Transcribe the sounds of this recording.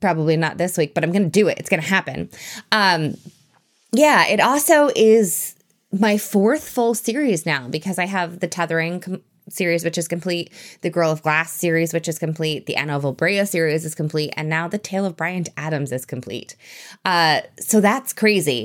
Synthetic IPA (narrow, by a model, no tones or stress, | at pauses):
pʰɹ̥ɑbəblinə̰t̪̚ðɪswik̚b̥ʌɾãɪ̃mɡʌnɨdɨɪ̰tɨ̰tsɡ̥ʌñɨhæpɨ̃nʌ̃m | jæɪɾɔlˠsoʊʔɪz̥ | maɪfɔɹθfʊl̩ˠsɪɹiznaʊbɨkʰʌzaɪəvðɨtʰɛðə˞ɪ̃ŋkʰ | sɪɹizwɨt͡ʃɨz̥kɨ̃mpʰl̥it̪̚ðɨɡɜ˞lˠʌvɡlæsɪɹizwɨt͡ʃɨz̥kɨ̃m̩pʰl̥it̪̚ðiʔæ̰nəlˠʌvəbɹeɪɨsɪɹizɨz̥kʰɨ̃m̩pʰl̥itɨ̰̃nːaʊðɨtʰeɪlˠʌvbɹaɪɨ̃ntæɾɨ̃mzɨz̥kʰm̩pʰl̥ḭtʔʌsoʊðætskʰɹ̥eɪzi